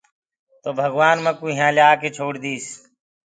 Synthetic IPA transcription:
t̪oːbʱəɡʋaːnmə̃ːkuːɦãːljaːkeːt͡ʃʰoːɽd̪iːs

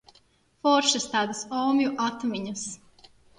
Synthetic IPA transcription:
fɔɾʃɛst̪aːd̪asɔːmjuʔat̪miɲus

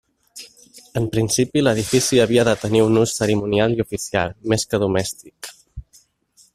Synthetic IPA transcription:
əmpɾinsipiləð̞ifisiəβ̞iəðət̪əniunusːəɾimunialiufisia̰lˠmeskəðumɛst̪ik

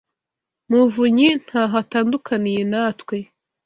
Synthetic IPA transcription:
muvuɲin̥haːɦataːndukʰanije̞naːtwe̞

